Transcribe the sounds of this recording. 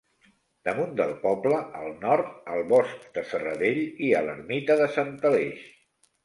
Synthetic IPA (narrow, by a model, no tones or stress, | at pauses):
d̪əmund̪əlˠpɔbləʔəlˠnɔɾt̪əlˠβɔsk̚d̪̥əsərəðeʎiələ̰rmit̪əðəsant̪əleʃ